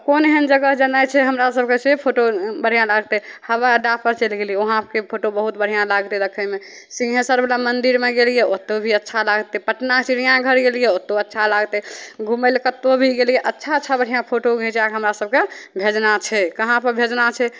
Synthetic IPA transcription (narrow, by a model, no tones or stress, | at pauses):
koneɦənd͡ʒəɡəɦd͡ʒənət͡ʃʰɛɦəmɾasəb̚ʱkesepʰoʈobəɽ̤ijãlaɡt̪ɛhəβaɖapəɾt͡ʃelɡelijeoɦãkepʰoʈobəɦut̪bəɽ̤ijãlaɡt̪ɛɾəkʰəme | sĩɦẽsəɾbelamənd̪iɾmeɡelijeot̪ːobʱiətːʃʰalaɡt̪epəʈnat͡ʃiɾijãɡʱəɾɡeljeot̪ːoətːʃʰalaɡt̪ɛɡʱumelkət̪ːobʱiɡelijeʔətːʃʰaətːʃʰabəɽ̤ijãpʰoʈoɡẽt͡ʃɛaɡɦəmɾasəb̚kebʱed͡ʒnat͡ʃʰɛkəɦãpəɾbʱed͡ʒnat͡ʃʰɛ